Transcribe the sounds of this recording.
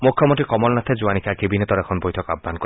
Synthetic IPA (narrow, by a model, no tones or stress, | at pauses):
mukʰːjɔmont̪ʰikɔmɔlnat̪ʰed͡ʒuanikʰakebinet̪ɔɾɛkʰɔnbojtʰɔka̰bːankɔ